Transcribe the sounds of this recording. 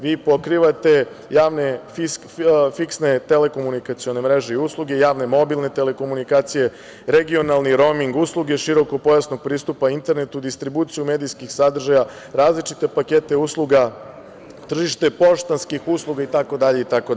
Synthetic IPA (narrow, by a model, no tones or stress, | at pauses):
ʋiːpo̞kɾiʋat̪e̞ | jaːʋne̞fi | fiksne̞t̪e̞le̞ko̞munikat̪sio̞ne̞mɾe̞ʒe̞iuslˠuɡe̞jaːʋne̞mo̞bilˠne̞t̪e̞le̞ko̞munikaːt̪sije̞ | ɾeɡio̞nalˠniɾo̞miŋɡuslˠuɡe̞ʃiɾo̞ko̞po̞jasnoɡ̚pɾiːst̪upaint̪e̞ɾnet̪ud̪ist̪ɾibut̪sijume̞d̪ijskixsad̪r̩ʒaja | ɾaːzlit͡ʃit̪e̞pake̞t̪e̞uːslˠuɡa | t̪r̩ʒiʃt̪e̞po̞ʃt̪anskixuːslˠuɡait̪ako̞d̪aʎe̞it̪akod̪